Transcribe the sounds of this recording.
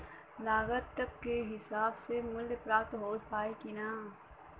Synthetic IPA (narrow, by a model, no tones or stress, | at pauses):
laːɡət̪ːəkːeɦɪsaːbsemʊlpɾaːt̪ɦoːlpaːikɪnaː